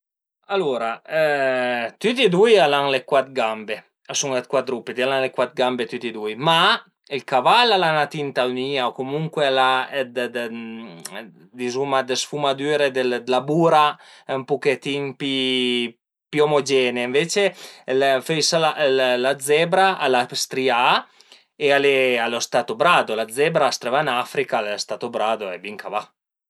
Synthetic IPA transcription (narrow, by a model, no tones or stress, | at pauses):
aluɾaɛt̪yt̪id̪ujalaŋlekwat̪ɡambe | asuŋlet̪̚kwat̪ɾupːed̪ialaŋlekwat̪ɡambet̪yt̪id̪ujma | ilkavalalanat̪int̪awniːaokomuŋkwealaɛd̪d̪ | d̪izumad̪esfumad̪yːɾed̪eld̪labuːɾampuket̪iŋpi | piomod͡ʒɛːneɱvet͡ʃelfejsalallad̪zɛbɾaʔalast̪ɾia | ealealost̪at̪obɾad̪olad̪zɛbɾaːst̪ɾevanafɾikalest̪at̪obɾaːd̪oɛbiŋkava